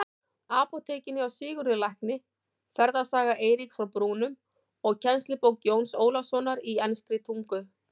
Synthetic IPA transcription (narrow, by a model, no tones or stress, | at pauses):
aːpɔt̪ʰeːcɪnːɪawsɪːɣʏɾɪlajhknɪ | fɛɾðasaːɣaʔeːjɾiksfɾawpɾuːnʏm | ɔɣcʰɛnstlɪpowkjoːwnsoːwlasɔnaɾiɛnspɾɪt̪ʰuŋkʏ